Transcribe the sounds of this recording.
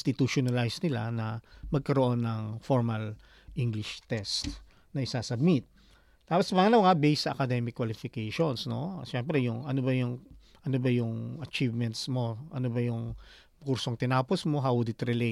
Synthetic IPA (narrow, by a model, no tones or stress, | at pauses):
st̪ɪt̪uʃonɐlajsnɪla̰nɐmɐɡ̚kɐɾoʔo̞nːɐŋfoɹmɐl | ʔiŋɡlɪʃt̪ɛst̪ | nɐʔɪsaːsɐb̚mɪt̪̚ | t̪ːaːposmaŋɐnɐwŋabejsɐʔɐkɐd̪ɛmɪkːwɐlɪfɪkejʃonsno̞̰ʃɛmpɾɛjʊŋɐnobɐjʊŋ | ʔɐnobɐjʊŋɐt͡ʃivmɛnt̪smo̞ʔɐnobɐjʊŋ | kuɾsoŋt̪ɪnaːposmo̞ɦawʊd̪ɪt̪ɾɪle